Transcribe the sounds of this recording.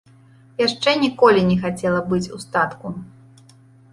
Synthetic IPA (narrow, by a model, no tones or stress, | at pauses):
jaʂt͡ʂɛnʲikɔlʲinʲɛxat͡sʲɛlˠɐbɨt͡sʲust̪at̪ku